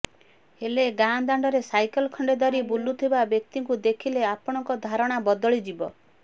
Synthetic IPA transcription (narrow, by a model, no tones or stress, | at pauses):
heleɡand̪aɳɖɔɾesajkɔlkʰɔɳɖed̪ɔɾibulut̪ʰibabjɔk̚t̪iŋkud̪ekʰileapɔɽ̃ɔŋkɔd̪ʱaɾɔɽ̃abɔd̪ɔɭid͡ʒibɔ